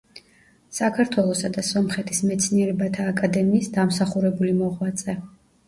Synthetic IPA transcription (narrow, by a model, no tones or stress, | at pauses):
sakʰaɾt̪ʰwɛlˠɔsad̪asɔmχɛt̪ʰismɛt̪sʰniɛɾɛbat̪ʰaːkʼad̪ɛmiːsd̪amsaχuɾɛbulimɔʁwat̪sʼɛ